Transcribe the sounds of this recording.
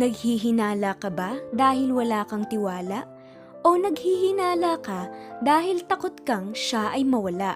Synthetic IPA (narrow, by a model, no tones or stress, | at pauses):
nɐɡ̚hiɦɪnaːlakɐbad̪aːhɪlwɐlaːkɐŋt̪ɪwaːlɐʔ | o̞nɐɡhihɪnaːlakad̪aːhɪlt̪ɐkot̪kɐŋʃaʔɐjmɐwɐlaʔ